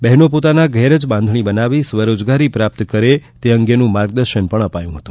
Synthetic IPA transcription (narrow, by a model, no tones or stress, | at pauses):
bɛɦnopot̪anaɡʱɛɾəd͡ʒbãnd̪ʱɳ̃ibənaʋisʋəɾod͡ʒɡaɾipɾap̚t̪kəɾet̪eəŋɡenũmaɾɡd̪əɾʃənpəɳəpajũɦət̪ũ